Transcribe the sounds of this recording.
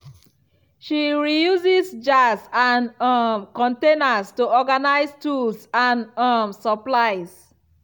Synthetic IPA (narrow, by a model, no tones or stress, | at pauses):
ʃiɹijuzisd͡ʒasãnɔmkɔ̃ntenastuɔɡanaɪstulsãnɔmsɔplaɪs